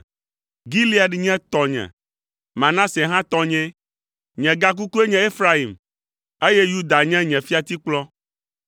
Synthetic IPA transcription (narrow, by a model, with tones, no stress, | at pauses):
ɡi˦li˦a˨ɖi˨ɲɛ̃˦t̪ɔ˨ɲɛ̰̃˨ | mã˨nã˦sɛ˨ɦã˦t̪ɔ˦ɲɛ̃˦ | ɲɛ̃˨ɡa˦k̬u˦ku˦e˦ɲɛ̃˨e˦fɾa˦i˨m | e˦je˦ju˦d̪a˨ɲɛ̃˦ɲɛ̃˨fi˦a˨t̪i˦k͡plɔ˦